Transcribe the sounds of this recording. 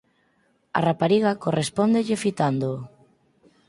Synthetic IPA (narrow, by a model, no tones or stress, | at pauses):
a̰rapaɾiɣakorespond̪eʎɪfit̪and̪o